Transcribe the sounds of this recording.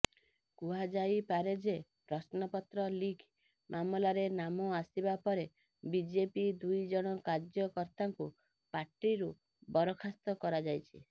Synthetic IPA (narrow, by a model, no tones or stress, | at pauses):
kuɦad͡ʒajpaɾed͡ʒepɾɔsnɔpɔt̪ɾɔlikʰ | mʔamɔlaɾenamɔasibapɔɾe | bid͡ʒepid̪ujd͡ʒɔɽ̃ɔkaɾd͡ʒjɔkɔɾt̪aŋku | paɾʈːiɾu | bɔɾɔkʰast̪ɔkɔɾad͡ʒajt͡ʃʰi